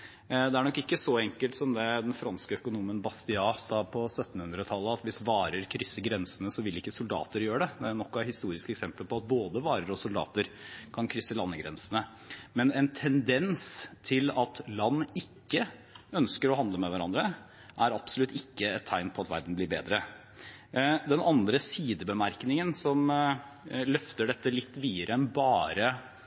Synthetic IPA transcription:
d̪ɛæɾɳɔkːɪkːəsɔɛŋkəlt̪sɔmd̪ɛd̪ɛnfɾɑnskəœkʊnuːmənbɑst̪ɪɑːsɑːpʰɔsœt̪ːn̩hʉnd̪ɾət̪ʰɑlːəɑt̪ʋɪsʋɑːɾəɾkʰɾʏsːəɡɾɛnsənəsɔʋɪlɪkːəsʊld̪ɑ̰ːt̪əɾjøːəɖɛd̪ɛnɔkːɔæɾhɪst̪uːɾɪskɛksɛmpəlpʰɔɑt̪̚boːd̪əʋɑːɾəɾɔsʊld̪ɑ̰ːt̪əɾkʰɑnkʰɾʏsːəlɑnːəɡɾɛnsənə | mɛnɛnt̪ʰɛnd̪ɛnst̪ʰɪlɑt̪lɑnːɪkːəœnskəɾɔɦɑnd̪ləmɛʋæɾɑnd̪ɾə | ʔæɾɑb̥sɔlʉt̪ːɪkːəɛt̪ʰːæɪnpʰɔɑt̪ʋæ̰ɾd̪n̩blɪːɾbeːd̪ɾə | d̪ɛnɑnd̪ɾəsiːd̪əbəmæɾknɪŋənsɔm | lœft̪əɖɛt̪ːəlɪt̪ːʋiːəɾəɛnbɑːɾə

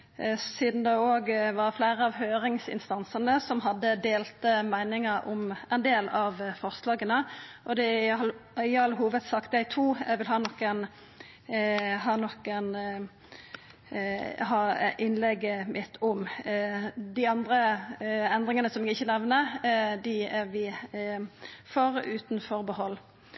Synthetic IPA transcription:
siːd̪n̩d̪ɛoːɡʋɑfleːɾəɑʋɦøːɾɪŋsɪ̰nst̪ɑnsənəsɔmɦɑd̪ːəd̪eːlt̪əmæɪnɪŋəɾʔɔmʔɛnd̪eːlɑʋfɔʁslɑːɡənəʔɔd̪ɛ | ɪɑlːəɦuːʋəd̪sɑkt̪əæɡt̪ʰuːɛɡʋɪlɦɑːnɔkːɛn | ɦɑːnɔkən | ɦɑːʔɪnlɛɡəmʔɪt̪ʰːʊm | d̪ɪɑnd̪ɾə | ɛnd̪ʁɪŋənəsɔmɛɡɪçːənɛʋnəd̪ɪæʁʋɪ | foʁʉːt̪nfɔʁbəhɔlː

